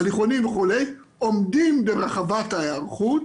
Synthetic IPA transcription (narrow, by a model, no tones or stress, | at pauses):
liχonimveχulej | omdimbeʁaχavataeaʁχut̚